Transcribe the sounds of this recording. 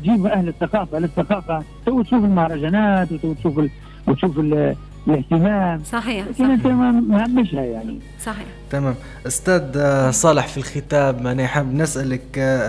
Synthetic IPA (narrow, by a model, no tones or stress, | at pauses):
t̪ʒiːbʔæhlɪθːɑqɑːfalɪθːɑqɑːfat̪ʊwːt̪ʃuːfɪlmʊhɾˤɑʒanaːt̪wt̪awːt̪ʃuːfɪ | wt̪ʃuːfɪl | lɪht̪ɪmaːmsˤɑlæːkɪnʔɪnt̪æmmʕamːɪʃhæjaʕnḭ | sˤɑ | t̪amæːm | ʔʊst̪æːd̪sˤɑːləħfilxɪt̪aːbanːiʔaħabːnɪsʔalək